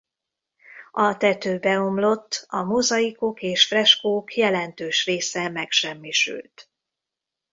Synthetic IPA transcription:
ɒt̪ɛt̪øːbɛo̞mlo̞t̪ːɒmozɒikokeːʃfrɛʃkoːkʰjɛlɛnt̪øːʃreːsɛmɛkʃɛmːiʃy̰lt̪

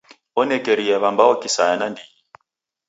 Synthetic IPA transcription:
ɔnɛkɛɾiaβambaɔkisajanandiji

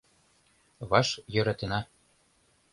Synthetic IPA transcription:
βɑʃjø̆ɾɑt̪ɤ̆nɑ

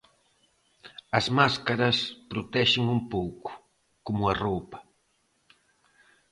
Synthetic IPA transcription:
asmaskaɾaspɾot̪eʃɪŋʊmpowkʊ̥ | komʊaropḁ

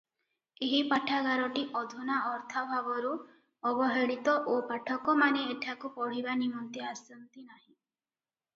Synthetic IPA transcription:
eɦipaʈʰaɡaɾɔʈiʔɔd̪ʱunaʔɔɾt̪ʰɔbʱabɔɾu | ɔbɔɦeɽit̪ɔʔopaʈʰɔkɔmaneeʈʰakupɔɽ̤ibanimɔnt̪iasɔnt̪inaɦĩ

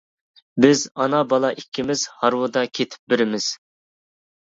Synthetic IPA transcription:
bɪzɑnɑbɑlˠɑʔikʲːimɪz̥hɑɾwʊd̪ɑkʲʰet̪ʰɪ̥p̚bɪɾɪmɪz̥

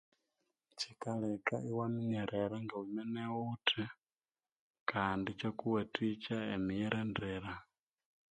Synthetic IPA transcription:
t͡ʃikalɛka̰ʔiwamiɲɛɾʔɛɾaŋɡawumɛnɛwutʰɛ | kandit͡ʃokuwɛtʰit͡ʃaemijɛɾɛndɛːɾa

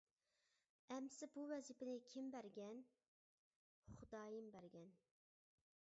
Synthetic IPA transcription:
ɛmsɪbuwɛzipɪnɪkʲʰimbæɾɡʲɛn | χud̪ɑːjimbæɾɡʲɛn

